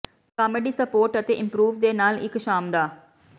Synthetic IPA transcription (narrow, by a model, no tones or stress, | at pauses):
kaːmeɖiːsəpoːɾʈət̪eːʔɪmpɾuːʋd̪eːnaːlɪ̰kʃaːmd̪aː